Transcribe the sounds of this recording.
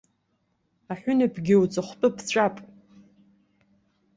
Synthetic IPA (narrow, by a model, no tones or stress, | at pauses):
aħʷᶣʊnapʰɡʲɪwt͡sʼaχʷtʼɨpʰt͡ɕʷʼapʼ